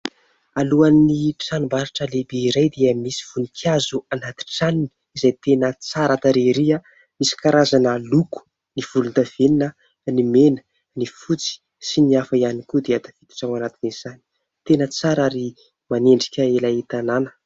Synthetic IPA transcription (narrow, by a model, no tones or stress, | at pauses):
aluannipi̥sanumbaɾaʈ͡ʂəlebeiɾajd̪eəmisi̥v̥unikʰiazuanat̪i̥ʈ͡ʂanini̥ | izajt̪enət͡saɾat̪aɾeɾia | misi̥kaɾazanəluku̥ | niv̥ulund̪av̥eninə | nimenə̥ | nifut͡si̥ | siniafəianikud̪eat̪ḁfit̪i̥ʈ͡ʂawanat̪iniz̥ani̥ | t̪enət͡saɾaɾi | maneɳɖ͡ʐi̥kʲəelait̪ananə̥